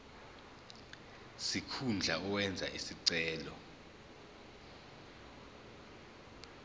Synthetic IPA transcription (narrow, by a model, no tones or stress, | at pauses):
sikʰund͡ɮʱaɔwɛnd͡zʱa̰ʔisiǀɛːlɔ